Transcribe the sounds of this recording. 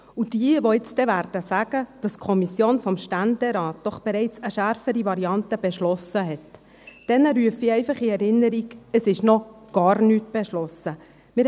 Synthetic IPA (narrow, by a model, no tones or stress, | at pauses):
ud̥iəʋɔɪt͡stɛʋæɾd̥əsæɡ̥əd̥ɑskʰɔmisjoːnfɔmʃtændɛɾɑːt̚d̥ɔχb̥ɛɾɛɪt͡səʃæɾfəɾiʋɑɾiɑntəb̥ɛʃlɔsəɦɛt | d̥ɛnəɾyəfiɛɪfɑχiɛɾɪnːəɾiɡəsɪʃnɔɡ̥ɑːrnyːtb̥ɛʃlɔsə | mɪ